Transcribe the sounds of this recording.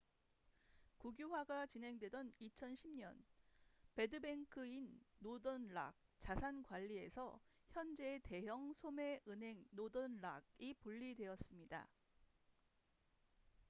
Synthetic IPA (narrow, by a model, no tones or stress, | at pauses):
kuɡjuɦwaɡat͡ɕinɦe̞ŋdwe̞dʌnit͡ɕʰʌnɕʰimɲʌ̰npe̞dɯbe̞ŋkʰɯinːodʌnɭa̰ɡ̚t͡ɕasʰankwaʎːie̞sʰʌçjʌnd͡ʑe̞ːte̞jʌŋsʰome̞ʔɯnɦe̞ŋnodʌnɭa̰ɡipuʎːidwe̞ʌs͈ɯmɲida̰